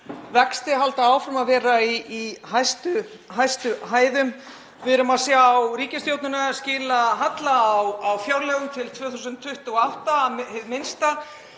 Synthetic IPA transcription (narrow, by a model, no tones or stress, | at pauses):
vɛkst̪ɪɦalt̪aaːwfɾamaðvɛːɾaiːhajst̪ʏ | ɦajst̪ʏɦaːjðʏm | vɪðɾʏmaðsjaːwɾiːcast̪jowt̪nʏnascɪːlaɦat̪laːwawfjawɾlɛːɣʏmt̪ʰɪlt̪ʰvœːθusʏnt̪ʰːʏht̪ʏɣɔawht̪ahvmɪnst̪a